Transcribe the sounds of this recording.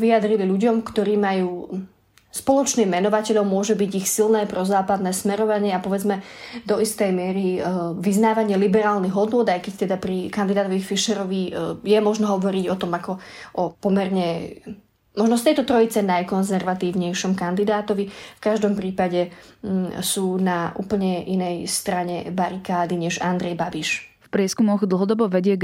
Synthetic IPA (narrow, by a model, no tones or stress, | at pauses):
ʋiad̪ɾiliʎuɟɔmkt̪ɔɾiːmajuː | spɔlɔt͡ʃniːmːɛnɔʋacɛʎɔʊmːʊɔʒɛbiɟixsilnɛːpɾɔzaːpad̪nɛːsmɛɾɔʋaɲɪɛapɔʋɛd͡zmɛd̪ɔist̪ɛjmɪɛɾiʋiznaːʋaɲɪɛlibɛɾaːlniɣɦɔd̪nʊɔd̪ajkɛct̪ɛd̪apɾikand̪id̪aːt̪ɔʋifiʃɛɾɔʋijɛmɔʒnɔɦɔʋɔɾiɟɔt̪ɔmakɔʔɔpɔmɛɾɲɛ | mɔʒnɔst̪ɛjt̪ɔt̪ɾɔit͡sɛnajkɔnzɛɾʋat̪iːʊɲɛjʃɔmkand̪id̪aːt̪ɔʋifkaʒd̪ɔmpɾiːpaɟɛ | suːnaʔṵːpl̩ɲɛʔinɛjst̪ɾaɲɛbaɾikaːd̪iɲɛʒand̪ɾɛjbabiʃfpɾɪɛskumɔɣd̪l̩ˠɦɔd̪ɔbɔʋɛɟɪɛ